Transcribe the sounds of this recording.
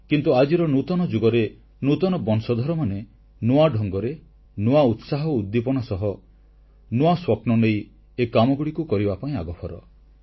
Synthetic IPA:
kint̪uad͡ʒiɾɔnut̪ɔnɔd͡ʒuɡɔɾe | nut̪ɔnɔbɔnsɔd̪ʱɔɾɔmane | noaɖʱɔŋɡɔɾe | noaut̪saɦɔud̪ːipɔɽ̃ɔsɔɦɔ | noaswɔpnɔnej | ekamɔɡuɽikukɔɾibapaĩaɡɔpʰɔɾɔ̰

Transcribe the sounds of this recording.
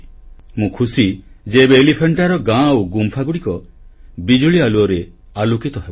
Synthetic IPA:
mũkʰusid͡ʒebeːlipʰeɳʈaɾɔɡãwɡumpʰaɡuɽikɔbid͡ʒuɭialuɔɾe | alukit̪ɔɦebo

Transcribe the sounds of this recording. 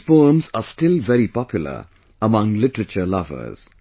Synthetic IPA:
foːmzasʈɪlvɛɾipɔpjʊlə̰ | əmʌ̃ŋlɪʈəɹət͡ʃəlʌvə̰z̥

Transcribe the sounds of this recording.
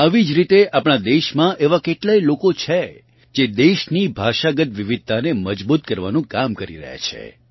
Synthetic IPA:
aʋid͡ʒɾit̪eapɳ̃ad̪eʃmãʔeʋakeʈlajlokot͡ʃʰe | d͡ʒed̪eʃnibʱaʃaɡət̪ʋiʋid̪̚t̪aneməd͡ʒbut̪̚kəɾʋanũkamkəɾḭɾə̰ɦja̰t͡ʃʰḛ

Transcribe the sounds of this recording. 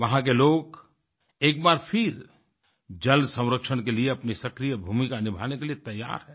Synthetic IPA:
ʋɐɦãkeloːk | eːk̚baːɾpʰɪɾ | d͡ʒɐlsɐ̃w̃ɾəkʃənkelieɐpnisɐkɾijəbʱuːmikanɪbʱa̰ːnekeliet̪ɐjːa̰ːɾɦɛ̃ː

